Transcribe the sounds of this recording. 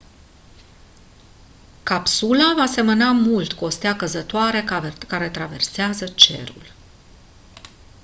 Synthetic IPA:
kapsulavaːse̞mənamult̪ko̞st̪eakəzət̪oaɾe̞kaɾe̞t̪ɾave̞̰rseazət͡ʃe̞̰ɾṵl

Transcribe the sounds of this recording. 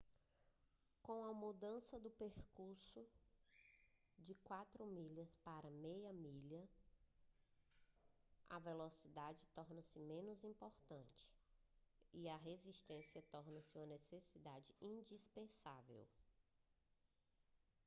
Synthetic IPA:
kõw̃ɐmud̪ɐ̃sɐd̪ʊpeɾkuɾsʊ | d͡ʒɪkwat̪ɾʊmiʎɐspaɾɐmejɐmiʎɐ | ɐ̰velosid̪ad͡ʒɪt̪ɔɾnɐsɪmẽnʊzĩpoɾt̪ɐ̃t͡ʃɪ̥ | iɐɦeziʃt̪ẽsiɐt̪ɔɾnɐsɪũmɐnesesid̪ad͡ʒɪĩd͡ʒispẽsa̰vḛw

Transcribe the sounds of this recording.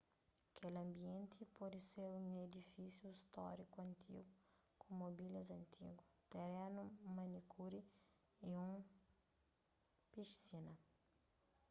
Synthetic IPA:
kʰelɐ̃mbiẽnt̪ʰipɔd̪iseɾũŋed̪ifisjuist̪ɔ̰ɾikuɐ̃nt̪ʰḭɡu | kʰumobilɐzɐ̃nt̪ʰḭɡut̪eɾenumɐnikʰuɾi | iũ | piʃsinɐ

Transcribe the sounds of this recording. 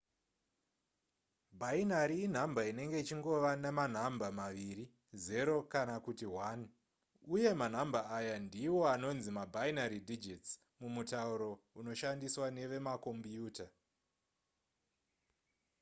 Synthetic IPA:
bʱainaɾiːn̤ambʱaine̞ŋɡe̞it͡ʃiŋɡo̞ʋaneman̤ambamaʋiri | ze̞ɾo̞kanakutiwan | uje̞man̤ambʱaːjandiwo̞ano̞nzimabʱainaɾidid͡ʒits | mumutauɾo̞uno̞ʃandiswane̞ʋe̞mako̞mbjuːta

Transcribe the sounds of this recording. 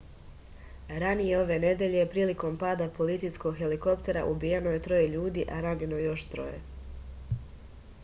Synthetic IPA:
ɾanije̞o̞ʋe̞ne̞d̪e̞ʎe̞pɾiːliko̞mpaːd̪apo̞lit̪sijsko̞ɡxe̞liko̞pt̪e̞ɾa̰ʔubijeno̞je̞t̪ɾo̞jeʎuːd̪iːʔaɾaɡino̞jo̞ʃt̪ɾo̞̰jḛ

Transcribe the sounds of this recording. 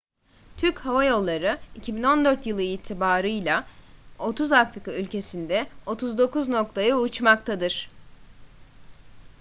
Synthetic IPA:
t̪ʰyɾchavajo̞lˠːaɾɯicʰibino̞nd̪ø̞ɾt̪jɯlˠɯiːt̪ʰibaːɾɯjlʲˠao̞t̪ʰuzafɾikaylʲcʰe̞sind̪ɛo̞t̪ʰuzd̪o̞kuzno̞k̚t̪ʰajɯut͡ʃmak̚t̪ʰad̪ɯɾ̥

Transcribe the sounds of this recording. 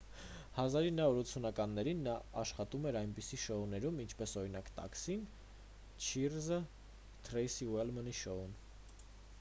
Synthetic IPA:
hɑzɑɾinɑɔɾut͡sʰunɑkɑnːɛɾinːɑɑʃχɑt̪umɛɾɑjnpisiʃɔunɛɾumint͡ʃʰpɛsɔɾinɑkt̪ɑ̰ksin | t͡ʃʰirzə | t̪ʰɾɛjsiwɛlməniʃɔun

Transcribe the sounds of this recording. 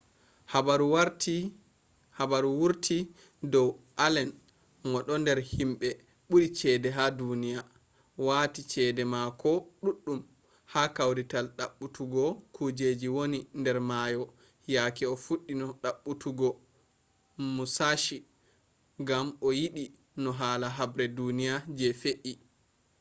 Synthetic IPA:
habaɾuaɾti | habaɾuwuɾtʰi | dɔwʔalɛn | mɔɗɔndɛɾhimɓɛ | ɓuɾit͡ʃɛːdɛɦadunija | waːtit͡ʃɛdɛmakɔɗuɗːum | hakawɾitalɗaɓːutuɡɔkʰud͡ʒed͡ʒiwonindɛɾmaːjɔ | jakɛɔfuɗːinɔɗaɓːutuɡɔ | musaʃi | ɡamɔjiɗi | nɔɦaːlaɦabɾɛdunijad͡ʒɛfeʔi

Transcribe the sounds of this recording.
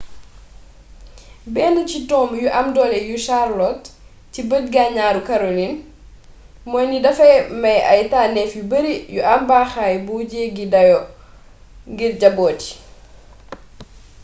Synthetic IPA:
bɛːnəcitɔːmjuʔɐmdɔːlɛjuʃarlɔt | cibət̚ɡaɲaːɾukɐɾolin | mɔːjnidɐfɐmɐjɐ̰jtaːnɛfjubəɾijuʔɐmbaːxajbuːɟɛːɡidɐjɔ | ɡiɾɟɐbɔːti̥

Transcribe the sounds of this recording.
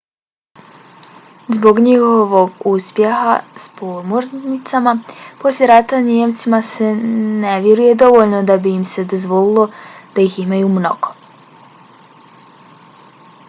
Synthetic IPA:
zbo̞ɡɲiho̞ʋoɡuspje̞ha̰spomoɾnit̪samapo̞sljʲe̞ɾat̪anjemt̪simase̞ne̞ʋjeɾuje̞d̪o̞ʋo̞ʎnod̪abiːmse̞d̪o̞zʋo̞lilˠo̞d̪̥aiximajumno̞̰ɡ̥o̥

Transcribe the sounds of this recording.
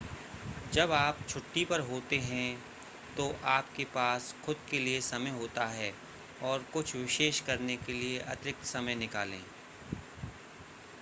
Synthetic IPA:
d͡ʒɐbaːpt͡ʃʰʊʈːipɐɾɦoːt̪eɦɛ̃ | t̪oʔaːpkepaːsxʊd̪̚keliesɐməjɦoːt̪aɦɛː | ɔːɾkʊt͡ʃʰʋɪʃeːʃkɐɾnekelieʔɐ̰t̪ɪɾɪk̚t̪sɐməjnɪka̰ːlḛ̃ː

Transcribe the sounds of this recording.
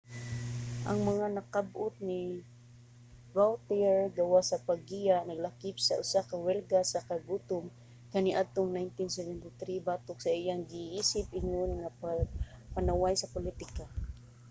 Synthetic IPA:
ʔaŋmaŋanɐkab̚ʊt̪̚ni | bawt̪iɛɹɡawaʔsɐpaɡijanɐɡlakɪp̚saʔʊsakɐwɛlɡasakaɡut̪ʊm | kaniʔad̪̚t̪oŋnajnt̪ɪnsɛvɛnt̪ɪt̪ɾibaːt̪ʊk̚sɐɪjaŋɡɪʔiːsɪp̚ɪɲjonŋa | panawajsɐpʊlit̪ɪka

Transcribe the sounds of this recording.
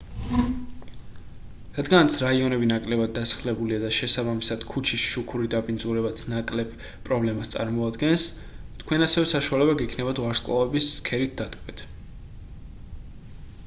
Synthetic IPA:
ɾad̪ɡanat̪sʰɾaiɔnɛbinakʼlɛbad̪̚ːasḁχlɛbuliad̪aʃɛsabamisad̪̥kʰut͡ʃʰisʃukʰuɾid̪apʼind̪zuɾɛbat̪sʰnakʼlɛb̥ | pʼɾɔblɛmast̪sʼa̰ɾmɔad̪ɡɛns | t̪ʰkʰwɛnasɛvɛsaʃualɛbaɡɛkʰnɛbat̪waɾskʼwa̰vɛbisːkʰɛɾit̪̚ʰd̪ad̪kʼmɛt̪ʰ

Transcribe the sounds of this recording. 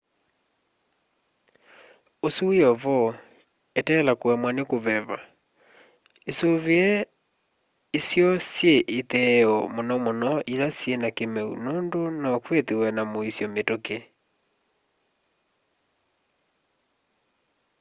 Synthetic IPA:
osuɔβɔ | etɛlakoɛmwanekoβɛβa̰ | esoβeɛ | isjɔsjeʔet̪ɛɔmonɔmonɔʔilasjenakemɛṵnondonɔkwet̪ewɛnamoisjɔmetoke

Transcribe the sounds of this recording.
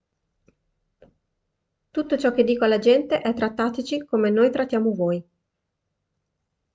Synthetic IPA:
t̪ut̪ːot͡ʃɔk̟ːed̪ːiːkoalːad͡ʒɛnt̪eʔɛt̪ːɾat̪ːaːt̪et͡ʃikomenoːjt̪ɾat̪ːjaːmovoj

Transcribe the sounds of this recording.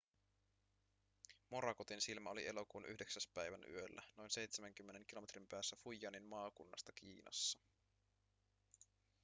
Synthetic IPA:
mo̞ɾɑkot̪insilmæo̞liʔe̞lo̞kuːnʔy̰hde̞ksæspæjʋæny̰ølːæ̰no̞jnse̞jt̪semæŋk̟ymːe̞ne̞ŋk̟ilo̞me̞t̪ʰrimpæːsːæfujːɑnimmɑːkunːɑ̰st̪ɑkḭːnʔɑ̰sːɑ

